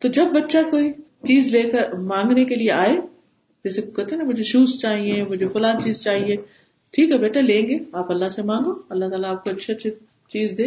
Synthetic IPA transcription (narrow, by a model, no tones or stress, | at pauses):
t̪od͡ʒɐb̚ːɐtːʃakoːi | t͡ʃiːzleːkɐɾmãːŋɡnekelieʔaːe | d͡ʒɛːsekkɛt̪eɦnamʊd͡ʒʱeʃuːst͡ʃaːɦiẽmʊd͡ʒʱefʊlãːnt͡ʃiːzt͡ʃaːɦieː | ʈʰiːkɦɛbeːʈʰalẽːŋɡeaːpɐlːasemãːŋɡoːɐlːat̪aːlaːp̚koɐtːʃʰet͡ʃʰe | t͡ʃiːzd̪eː